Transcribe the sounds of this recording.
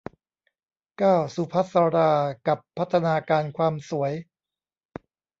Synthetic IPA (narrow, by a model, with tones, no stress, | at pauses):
kaː˥˩wsu˨˦pʰa˦˥t̪̚saː˧ɾaː˧ka˨˩pʰːa˦˥t̪ʰːa˧naː˧kaː˧nkʰwaː˧msu˩˦əj